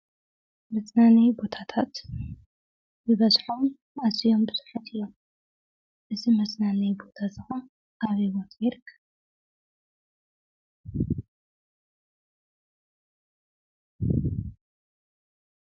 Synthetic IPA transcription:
mɐt͡sʼnanɐjbo̞t̪ʰat̪ʰat̪ | zɨβɐzħom | azijombɨsɨ̥ħat̪ʰɨjːom | ʔɨzimɐsʼnanɐjbo̞t̪ʰazɨxa | kaβiwot̪ʰjɛɾkʰː

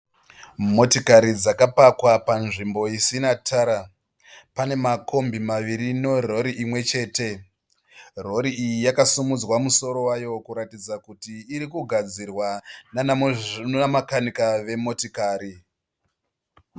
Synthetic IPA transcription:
mo̞tikaɾid͡zakapakwapanʐimbo̞isinatʰaɾa | pane̞mako̞mbimaʋiɾino̞ro̞ɾiimwe̞t͡ʃe̞ːte̞ | ro̞ɾiijijakasumud͡zwamuso̞ɾo̞wajo̞kuɾatid͡zakutiːɾikuɡʱad͡zirwan | amakanikaʋe̞mo̞tikaːɾi

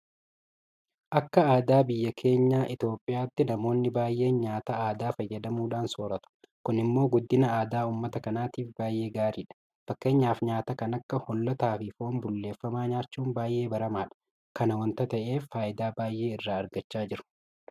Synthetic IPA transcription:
ʔɐkːɐaːd̪aːbɪjːɐkʰe̞ːɲːaːʔɪt̪oːpʼːɪjaːt̪ːɪnɐmo̞ːnːɪbaːjʔe̞ːɲɲaːt̪ɐaːd̪aːfɐjːɐd̪ɐmuːᶑaːnsoːɾɐt̪ʊ̥ | kʊnɪmːo̞ːɡʊd̪ːɪnɐaːd̪aːuːmːɐt̪ɐkɐnaːt̪iːfbaːjʔe̞ːɡaːɾiːᶑɐ̥ | fɐkːe̞ːɲːaːfɲaːt̪ɐkɐnɐkːɐhɔlːɐt̪aːfɪfo̞ːmbʊlːe̞ːfːɐmaːɲaːɾt͡ʃːuːnbaːjʔe̞ːbɐɾɐmaːᶑɐ̥ | kɐnɐwɐnt̪ɐt̪ɐʔe̞ːfːaːʔɪd̪aːbaːjʔe̞ːɪrːaːɐɾɡɐt͡ʃːaːd͡ʒɪɾʊ̥

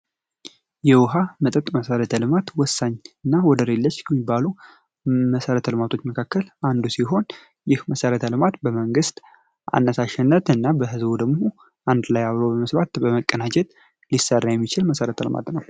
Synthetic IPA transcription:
jɛwʊɦamət̪ʼət̪ʼməsəɾət̪ʰəlɨmat̪wɔsːaɲːɨnːawɔd̪əɾelːət͡ʃːkʰəmːibːalu | məsəɾət̪ʰəlɨmat̪ʰo̞t͡ʃːməkʰakːəlʔand̪usiɦo̞n | jɪhməsəɾət̪ʰəlɨmat̪bəməŋɡɨst̪ | ʔa̰nːəsaʃɪnːət̪ɨnːabəɦɨzbud̪əɡmo̞ | ʔand̪lajaβɾobəməsbat̪bəməkʼːənad͡ʒɛt̪ | lisərːajɛmːit͡ʃɪlməsəɾət̪ʰəlɨ̰ma̰t̪nəw

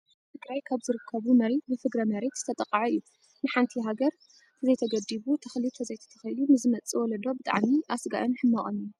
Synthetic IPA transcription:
ɨɡɾajkʰaβzɨɾɨkʰːɐβumɐɾet̪̚bɨfɨɡɾɐmɐɾet̪z̥ɨ̥t̪ʰɐt̪ʼɐqʼːaʕaɨjːu | nɨħant̪ʰiɦaɡɐɾ | t̪ʰɨzɐjt̪ʰɐɡɐd̪iβut̪ʰɐxlit̪ʰɐzɐjt̪ʰɐ̥t̪ʰɐxɐjlumɨzɨmɐt͡sʼiwɔlɐd̪o̞bɨt̪ʼa̰ʕmiʔasɡa̰ʔɨnħɨmːaχʼon

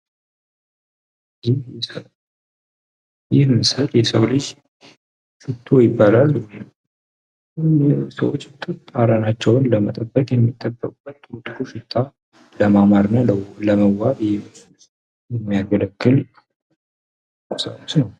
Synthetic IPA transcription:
d͡ʒij | jɪhmɨsəljɛsəwlɨd͡ʒ | ʃɪt̪ʰːojɪbːalalwɔjn | nɛsə̰wot͡ʃːt̪ʰʼːɨaɾanat͡ʃːɛwnləmət̪ʼəbːəkʼjɛmːit̪ʼːəbːəkʼubːət̪ːut̪ʼkuʃɨt̪ʼʰːa | ləmamaɾnələwləməwaβjɛs | jɛmːijaɡələkːɨl | əsə̰wusnəw

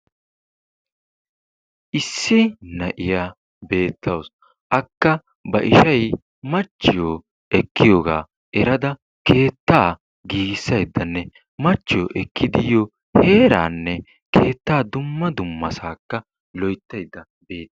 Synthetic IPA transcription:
ʔɪsːɪnɐʔɪjaː | be̞ːt̪ːɐws | ʔɐkːɐ | bɐʔɪʃɐj | mɐt͡ʃːɪjo | ɛkːɪjoːɡa̰ː | ɛɾɐd̪ɐ | kʰe̞ːt̪ːaː | ɡiːɡɪsːɐjd̪ːɐnːɛ | mɐt͡ʃːɪjɔʔɛkʰːɪd̪ɪjɔ | he̞ːɾa̰ːnːɛ | kʰe̞ːt̪ːaːd̪ʊmːɐd̪ʊmːɐ̰saːkːɐ | lɔjt̪ːɐjd̪ːɐ | be̞ːt̪ːɐ

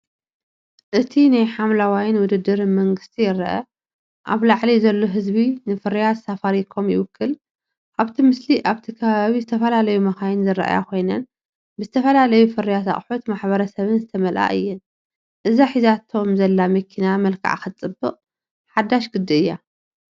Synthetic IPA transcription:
ʔɨt̪ʰinajħamlawajnwʊd̪ɨd̪ːɨɾmɐŋɡɨst̪ʰijɪɾɐ̰ʔɐ̰ | ʔa̰βlaʕlizɐlːoɦɨzbinɨfɨɾijat̪safaɾikʰo̞mjɪ̰wʊkʰːɨl | ʔaβt̪ʰimɨsliʔaβt̪ʰikʰɐβaβizɨt̪ʰɐfɐlalɐjumɐxajɪnzɨɾa̰ʔa̰ja̰kʰo̞jnɐn | bɨzɨt̪ʰɐfɐlalɐjufɨɾijat̪a̰χʼħut̪maħbɐɾɐsɐβɨnzɨt̪ʰɐmɐlʔa̰ʔɨ̰jːɨn | ʔɨzaħizat̪ʰo̞mzɐlːamɐkʰinamɐlkʰa̰ʕa̰xɨt͡sʼɨbːɨqʼ | ħad̪ːaʃɡɨd̪ːɨɨjːa

